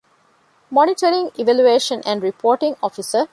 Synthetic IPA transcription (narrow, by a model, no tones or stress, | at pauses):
mɔniʈəɾĩŋiʋæljueːʃə̃nʔæ̃ɳɖɾipʰoːʈĩŋɔfisə